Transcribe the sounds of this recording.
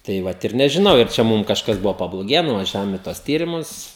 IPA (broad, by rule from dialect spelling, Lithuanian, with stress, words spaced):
tɐɪ ˈʋɐt ɪr nʲɛʒʲɪˈnɐʊ ɪr ˈt͡ʃʲɛ ˈmuːm kɐʃˈkɐs ˈbʊʋoː pɐblˠoːˈɡʲeːjɛ nʊʋɐˈʒʲæːʋoːm ɪ tuɔs ˈtʲiːrʲɪmʊs